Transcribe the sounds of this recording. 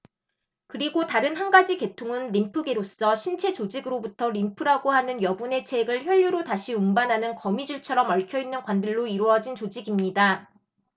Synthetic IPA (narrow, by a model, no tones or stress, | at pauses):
kɯɾiɡotaɾɯnɦanɡad͡ʑike̞tʰoŋɯnɾimpʰɯɡeɾos͈ʌɕʰint͡ɕʰe̞t͡ɕod͡ʑiɡɯɾobutʰʌɾimpʰɯɾaɡoɦanɯnjʌbune̞t͡ɕʰe̞ɡɯɭçjʌʎːuɾotaɕʰiumbanɦanɯnkʌmid͡ʑuɭt͡ɕʰʌɾʌmʌɭkʰjʌinːɯnkwandɯɭːoiɾuʌd͡ʑint͡ɕod͡ʑiɡimɲida